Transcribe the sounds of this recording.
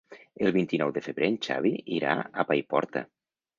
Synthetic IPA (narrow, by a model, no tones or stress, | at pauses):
əlˠβint̪inɔwðəfəβɾent͡ʃa̰βiiɾa̰apajpɔ̰ɾt̪ə̰